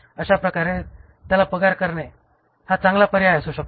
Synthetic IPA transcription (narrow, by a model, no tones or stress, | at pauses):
əɕapɾəkaɾẽ | t̪jalapəɡaɾkəɾne | hat͡sãŋɡlapəɾiajsuɕək̚t̪o